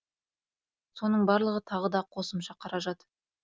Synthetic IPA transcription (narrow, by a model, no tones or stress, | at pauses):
so̞nəɴbɑɾlˠəʁət̪ʰɑʁəd̪ɑqʰo̞səmʃɑqʰɑɾɑʒɑt̪